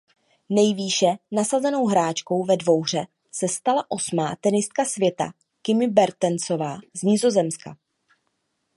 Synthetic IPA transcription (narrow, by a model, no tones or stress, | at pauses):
nɛjviːʃɛnasazɛno̞wɦɾaːt͡ʃko̞wvɛdvo̞wr̝ɛ | sɛst̪alaʔo̞smaːt̪ɛnɪst̪̚kasvjɛt̪a̰ | kɪmɪbɛɾt̪ɛnt͡so̞vaːzɲɪzo̞zɛmska̰